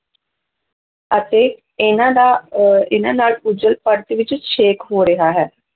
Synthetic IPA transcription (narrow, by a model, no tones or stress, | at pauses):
ət̪eː | ɪnãːd̪aːɪnãːnaːlʊd͡ʒəlpəɾt̪ʋɪt͡ʃʃʰeːkɦoːɾəɦaːɦɛː